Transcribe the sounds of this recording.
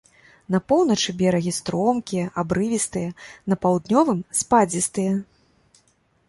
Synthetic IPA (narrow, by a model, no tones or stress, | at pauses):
nɐpɔwnɐt͡ʂɨbʲɛɾɐɣʲist̪ɾɔmkʲijɛʔabɾɨvʲist̪ɨjɐnɐpawd̪nʲɔvɨmspad͡zʲist̪ɨjɐ